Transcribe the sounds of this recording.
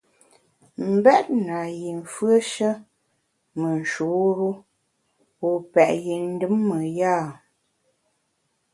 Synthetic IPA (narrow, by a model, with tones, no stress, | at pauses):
m̩˨bɛ˦t̚na˨ji˨ɱ˨fɰə˦ʃə˦ | mə˨n̩˨ʃu˨˦ɾu˦ | o˨pɛ˨ʔji˨n̩˦dɨ˦mːə˨jaː˦˨